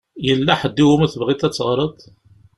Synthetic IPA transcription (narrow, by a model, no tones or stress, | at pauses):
jəlːæħəd̪ːiwumæθəbʁit̪æt͡sːəʁɾˤəd̪ˤ